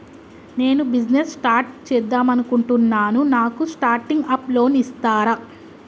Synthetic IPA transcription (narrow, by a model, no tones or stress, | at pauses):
ne̞ːnubid͡ʒnessʈaːɾʈ̚t͡ʃɛːd̪ːaːmɐnukuɳʈunːaːnunaːkusʈaːɾʈiŋɡɐplo̞ːnist̪aːɾɐ